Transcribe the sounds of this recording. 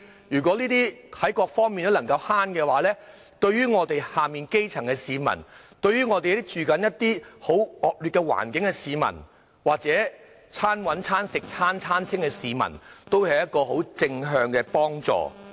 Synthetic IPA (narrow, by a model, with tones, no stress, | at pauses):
jyː˨˩k̬ʷɔː˨˥liː˥t̪iː˥ɐ˨˥jkɔː˧k̚fɔː˥ŋmiː˨nt̪ɐ˥lnɐ˨˩ŋkɐ˧whaː˥nkɛː˧waː˨˥lɛː˥ | t̪ɵ˧ɥɥyː˥ŋɔː˨˧t̪e˨jhaː˨miː˨nke˥jt͡sʰɐ˨˩ŋkɛ˧siː˨˧mɐ̰˨˩nt̪ɵ˧ɥyː˥ŋɔː˨˧e˨jɐ˥t̪ɪ˥k̚t͡ʃyː˨kɐ˨˥njɐ˥t̚t̪iː˥ho˨˥wɔː˨k̚lyː˨t̚kɛ˧wa̰ː˨˩nkɪ˨˥ŋkɛ˧siː˨˧mɐ̰˨˩n | waː˨k̚t͡sɛː˨˥ | t͡sʰaː˥nwɐ˨˥nt͡sʰaː˥nsɪ˨k̚t͡sʰaː˥nt͡sʰaː˥nt͡sʰɪ˥ŋkɛ˧siː˨˧mɐ̰˨˩nt̪o˥whɐ˨jɐ˥t̚kɔː˧ɦo˨˥wt͡sɪ˧ŋɦœː˧ŋkɛː˧pɔː˥ŋt͡sɔ̰ː˧